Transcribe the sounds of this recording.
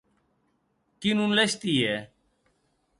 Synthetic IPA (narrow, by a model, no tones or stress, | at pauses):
kinunleɕt̪iːeː